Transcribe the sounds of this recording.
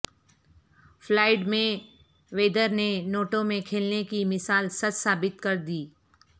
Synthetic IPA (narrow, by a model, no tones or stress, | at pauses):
flaːɪɖmẽ | ʋeːd̪əɾnenoːʈõmẽkʰeːlnekimɪsaːlsɐt͡ʃsaːbɪt̪kɐɾd̪iː